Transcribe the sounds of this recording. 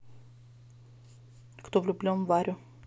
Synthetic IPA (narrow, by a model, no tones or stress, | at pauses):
kt̪ovlʲʊblʲonvaɾʲʊ